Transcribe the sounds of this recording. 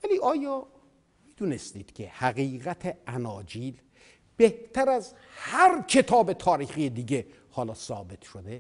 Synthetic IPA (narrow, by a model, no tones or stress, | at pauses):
væliːʔɒːjɒː | miːd̪uːnest̪iːd̪̥cʲʰe̞hæɣiːɣæt̪ʰeænɒːd͡ʒiːl | b̥eht̪ʰæɾæz | hæɾkʰe̞t̪ʰɒːbe̞t̪ʰɒːɾiːxijed̪iːɟe̞ | hɒːlɒːsɒːbe̞t̪ʰʃod̪e